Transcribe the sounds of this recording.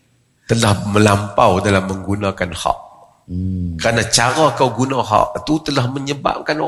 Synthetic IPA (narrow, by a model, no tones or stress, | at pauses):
t̪əlahməlampawdalamːəŋɡunakanhɔ̰ʔ | kəɾanat͡ʃaɾɔkawɡunaɦɔ̰ʔt̪ut̪əlahməɲəba̰p̚kano